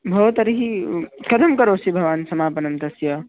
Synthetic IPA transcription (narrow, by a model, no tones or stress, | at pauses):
bʱɐt̪ɐɾiɦikɐd̪ʰʱɐmkɐɾoːsibʱɐʋaːnsɐmaːpɐnɐmt̪ɐsjɐ